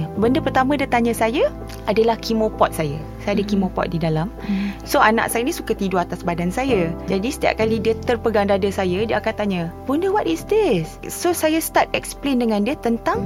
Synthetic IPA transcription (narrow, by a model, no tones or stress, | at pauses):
bəndəpərt̪amãdiət̪aɲãsaja | ʔadalahkimõpɔt̪̚saja | saadəkimõpɔ̰t̪̚didalamsoʔana̰ʔsajanĩsukat̪iduat̪asbadansajad͡ʒadisə̥t̪ia̰p̚kalidiət̪ərpəɡaŋdadasajadiaakant̪aɲə̃bundəwatisdisːosajast̪art̪ɛksplendəŋãndiət̪ənt̪aŋ